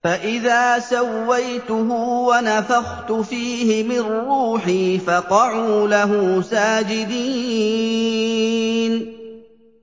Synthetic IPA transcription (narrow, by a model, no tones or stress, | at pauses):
faʔɪðaːsawːajt̪ʊɦʊwanafaxt̪ʊfiːhɪmɪnrːuːħiːfɑqɑʕuːlaɦʊːsaːd͡ʒɪd̪iː | n